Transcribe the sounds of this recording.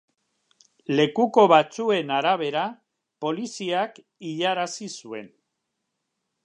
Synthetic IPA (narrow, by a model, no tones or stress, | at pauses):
le̞kuko̞βat͡sue̞naɾaβ̞e̞ɾa | po̞lisiak | iʎaɾasisue̞̰n